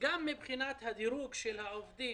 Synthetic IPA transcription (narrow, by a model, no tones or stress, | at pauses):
ɡamːibχinat̪had̪iɾuːɡʃelhaʔofd̪iː